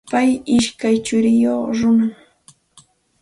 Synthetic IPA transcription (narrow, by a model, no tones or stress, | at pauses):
pajɪʃkajt͡ʃʊɾɪjoχɾʊna